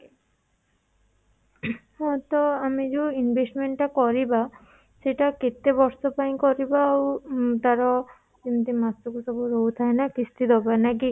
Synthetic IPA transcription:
hɔt̪ɔamid͡ʒewinbʱesʈmeɳʈʈakɔɾiba | seʈaket̪ebɔɾsɔpaĩkɔɾibaːwt̪aɾɔ | kint̪imast̪ukusɔbuɾout̪ʰaenakist̪ʰit̪ɔbanaki

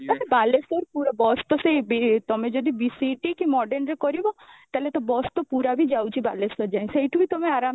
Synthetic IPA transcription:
maebalesɔɾpuɾɔbɔst̪ɔsejbit̪ɔmed͡ʒɔd̪ibisiʈikimɔɖenɾekɔɾibɔt̪alet̪ɔbɔst̪ɔpuɾabʱid͡ʒawt͡ʃʰibalesɔɾd͡ʒaĩsejʈuit̪omeaɾam

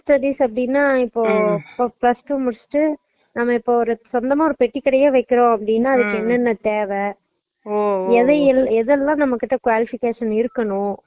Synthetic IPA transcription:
sʈɐɽiːsɐpːɐɽɪnːaːɪpːoːoːplɐsʈuːmʊɽɪsʈːɯ | nɐmːɐɪpːoːɔɾɯsɔnd̪ɐmaːɔɾɯpɛʈːikːɐɽɐjeːʋɐɪkːɪɾõːɐpːɐɽɪnːaːɐðɯkːɯɛnːɐnːɐt̪eːʋɛ | ɛðɐɛlːɛðɛlːãːnɐmːɐkːɪʈːɐkʋaːlɪfɪkeːʂɐnɪɾɯkːɐɳʊ̃

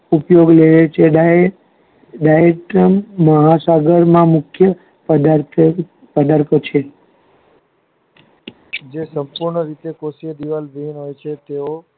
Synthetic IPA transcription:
upjoɡleɭet͡ʃʰeɖ | ɖajeʈəmːəɦasaɡəɾmãmʊkʰjə | pəd̪aɾt | pəd̪aɾk̪ʰət͡ʃʰe | d͡ʒesəmpuɾɳəɾit̪ekosiəd̪iʋalʋinɦojt͡ʃʰet̪eo

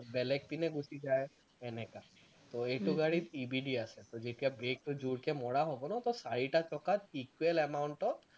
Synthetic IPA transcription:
bɛlek̚pineɡusid͡ʒae | ɛnɛka | t̪ɔeʈuɡaɽit̪ibiɖiaset̪ɔd͡ʒetiabɹek̚ʈud͡ʒuɽkemɔɽaɦobɔnat̪ɔsaɹiʈat͡ʃɔkat̪ikuelɛmauɳʈɔt̪̚

